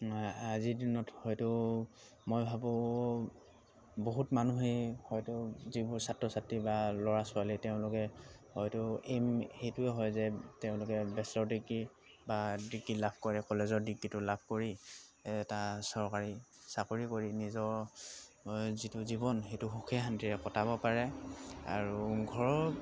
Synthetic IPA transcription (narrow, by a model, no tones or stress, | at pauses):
azidinɔthɔjtʊ | mojbʱabɔ̃ | boɦutmanuɦehɔjtʊzibʊɹsatːɔsatːibalɔɹasʊaliteʊ̃lʊkɛhɔjtʊemxejtʊɛɦɔjzɛteʊ̃lʊkɛbɛslɔɹdiɡi | badiɡilabʰʱkɔɹɛkɔlezɔɹdiɡːitʊlabʰʱkoɹiɛtasɔɹkaɹisakoɹikoɹinizɔɹ | zitʊzibɔnxejtʊxukʰiaɦantiɹɛkɔtabɔpaɹɛa̰ɹuɡʱɔɹɔ